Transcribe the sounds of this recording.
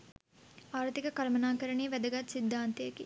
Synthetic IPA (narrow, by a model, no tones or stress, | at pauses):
aːɾt̪ikɐkɐɾɐmɐnaːkɐɾɐniːʋæd̪ɐɡat̪sid̪ːaːnt̪ejɐki